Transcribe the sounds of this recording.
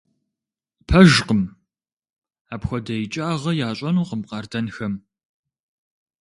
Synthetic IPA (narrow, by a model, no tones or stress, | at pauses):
pʰɐʒqəm | aːpxʷɔdɐjt͡ʃʼaːʁɐjaːɕʼɐnuːqəmqɑːrdɐnxɐm